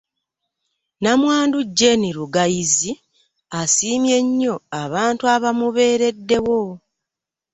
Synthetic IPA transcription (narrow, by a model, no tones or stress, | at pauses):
namwaːnduɟːe̞niɾuɡajizi | asiːmje̞ɲːo̞aβaːntuaβamuβe̞ːɾe̞dːe̞wo̞